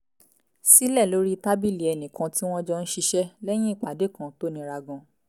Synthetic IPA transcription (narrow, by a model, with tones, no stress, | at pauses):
si˦lɛ˦˨lo˨˦ɾi˦˧ta˦bi˦˨li˨ɛ˨nĩ˨kã˨˧ti˦w̃ɔ̃˦d͡ʒɔ˧n̩˦ʃi˧ʃɛ˦lɛ˦j̃ĩ˦i˦˨k͡pa˨˦de˨˦˨kã˨to˦˨nĩ˨˧˦ɾa˧ɡã˧˦